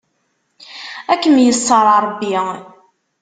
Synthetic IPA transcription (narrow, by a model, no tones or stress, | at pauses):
ækːəmjəsˤːəɾˤɑɾˤbːi